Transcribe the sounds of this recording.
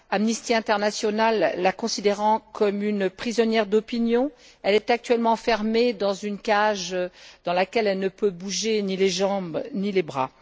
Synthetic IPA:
amnist̪iɛ̃t̪ɛʁnasjɔnalːakɔ̃sid̪eʁɑ̃kʰɔmynpχizɔnjɛʁd̪ɔpinjɔ̃ | ɛlɛt̪ak̚t̪ɥɛlmɑ̃fɛʁmed̪ɑ̃zynkaʒd̪̥ɑ̃lakʲɛlɛlnəpøbuʒenileʒɑ̃bnilebʁa̰

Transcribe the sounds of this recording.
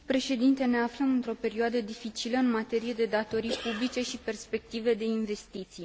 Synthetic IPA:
pɾe̞ʃe̞d̪int̪e̞ne̞afləmɨnt̪ɾo̞pe̞ɾioad̪əd̪ifit͡ʃiləɨnmat̪e̞ɾije̞d̪e̞d̪at̪o̞ɾijpublit͡ʃe̞ʃipe̞rspe̞k̚t̪ive̞d̪e̞inve̞st̪it̪sij

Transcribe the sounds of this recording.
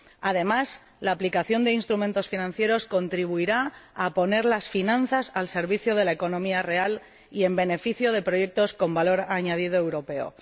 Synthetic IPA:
að̞e̞mas | laːplikaθjo̞nd̪einst̪ɾumẽ̞nt̪o̞sfinãn̟θje̞ɾo̞sko̞nt̪ɾiβuiɾaapo̞ne̞ɾlasfinãn̟θasalse̞ɾβiθjoð̞e̞lae̞ko̞nõ̞miare̞al | ie̞mbe̞ne̞fiθjo̞ð̞e̞pɾo̞je̞k̚t̪o̞sko̞mbalo̞ɾaɲað̞ið̞oe̞wɾo̞pe̞o̞̰

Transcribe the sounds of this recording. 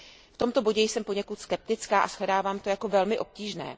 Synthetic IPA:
ft̪o̞mt̪o̞bo̞ɟɛjsɛmpo̞ɲɛkut̪skɛp̚t̪ɪt͡skaːʔasɦlɛdaːvaːmt̪o̞jako̞vɛlmɪʔo̞p̚ciːʒnɛ̰ː

